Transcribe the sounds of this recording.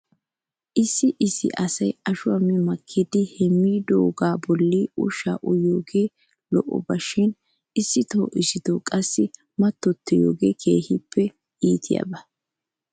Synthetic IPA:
ʔɪsːɪʔɪsːɪ̰ʔɐsɐjɐʃʊɐmɪmɐkʰːɪd̪ɪhɛmːiːd̪oːɡaːbɔlːiʊʃa̰ːʔʊjoːɡeː | lɔʔɔ̰bɐʃɪn | ɪsːɪt̪o̰ːʔɪsɪt̪okʼɐsːɪ | mɐt̪ːɔt̪ːɛjo̰ːɡeːkʰeːhɪpʰːɛ | iːt̪ʰɪjɐ̰bɐ

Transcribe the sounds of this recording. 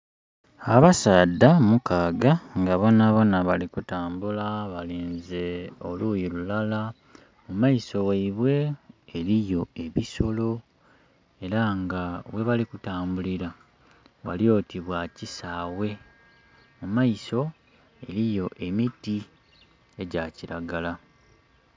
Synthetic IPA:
aβasaːdːamukaːɡaŋɡaβonaβo̞naβalikutaːmbulaβaleːnzeoluːjilulala | mumaiso̞waiβwe̞ːlijo̞e̞βiso̞lo̞ | e̞ɾaŋɡawe̞βalikutaːmbuliɾa | wa̰lio̞tiβwacisaːwe̞ | mumaiso̞ | e̞ɾijo̞ʔe̞miti | e̞ɟaciɾaɡala

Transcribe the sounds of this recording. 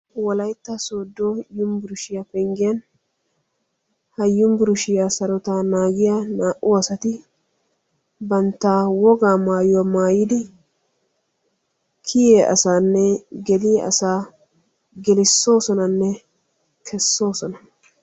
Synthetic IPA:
wɔlɐjt̪ːɐsoːd̪ːojʊmbɪɾʊʃɪjapɛŋɡɪjɐn | hɐjːʊmbɪɾʊʃɪjaːsɐɾɔt̪aːnaːɡɪjanaːʔʊɐsɐt̪ɪ | bɐnt̪ːaːwɔɡaːmaːjʊwamaːjɪd̪ɪ | kʰɪjeːʔɐ̰saːnːɛɡɛlɪjʔɐ̰saː | ɡɛlɪsːo̞ːsɔnɐnːɛ | kʰɛsːo̞ːsɔnɐ

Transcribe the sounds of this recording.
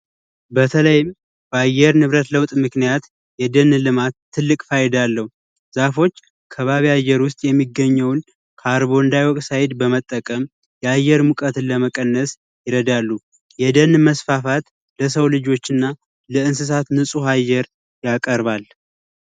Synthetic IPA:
bət̪ʰələjɪm | bəajːɛɾnɨβɾət̪ləwt̪ʼmɨknijat̪ | jɛd̪ənːlɨmat̪ʰːɨlːɨkʼfajɛd̪alːəhu | z̥afo̞t͡ʃː | kʰəβaβiajːɛɾwʊst̪ʼjɛmːiɡːəɲːəwn | kʰaɾβo̞ɨnd̪ajwɔkʼsajɪd̪bəmət̪ʼːəkʼəm | jɛajːɛɾmukʼət̪ɨnləməkʼənːəs | jɪɾəd̪alːu | jɛd̪ənːməsfafat̪ | ləs̬əwlɨd͡ʒo̞t͡ʃːɪnːa | ləɨnsɨs̬at̪nɨsʼuɦajːɛɾ | jakʼəɾβal

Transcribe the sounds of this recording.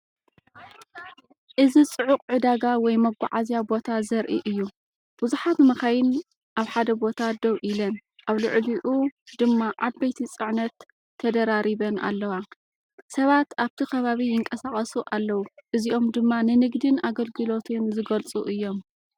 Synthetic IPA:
ʔɨzit͡sʼɨʕuqʼʕɨd̪aɡawɔjmɐɡʷa̰ʕazjabo̞t̪ʰazɐɾʔiʔɨjːu | b̥uzuħat̪mɐxajɪn | ʔaβħad̪ɐbo̞t̪ʰad̪ɐβʔilɐnʔaβlɨʕliʔud̪ɨmːaʔabɐjt̪ʰit͡sʼɨʕnɐt̪ʰː | ɐd̪ɐɾaɾiβɐna̰lːɐwa | sɐβat̪aβt̪ʰikʰɐβaβijɪŋkʼɐsaχʼɐsuʔalːɐwuʔɨziʔo̞md̪ɨmːanɨnɨɡd̪ɨnaɡɐlɡɨlo̞t̪ʰɨnzɨɡɐlt͡sʼuʔɨjːo̞m

